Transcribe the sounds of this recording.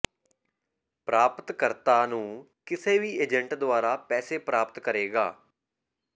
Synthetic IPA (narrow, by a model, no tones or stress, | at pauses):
pɾaːpət̪kəɾt̪aːnũː | kɪseːʋiːeːd͡ʒəɳʈd̪ʊaːɾaːpɛːseːpɾaːpət̪kəɾeːɡaː